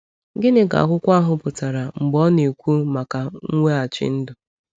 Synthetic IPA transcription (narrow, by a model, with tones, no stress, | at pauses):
ɡɪ˦nɪ˦ɡa̰˨kʷʊ˦kʷa˦ɦʊ˨pʊ˨ta˨ɾa˨ŋ͡m̩˨ɡ͡bɔ˦ne˨kʷu˦ma˨ka˨ŋ̩˦ŋʷe˦a˨t͡ʃɪ̰˦n̩˦dʊ˨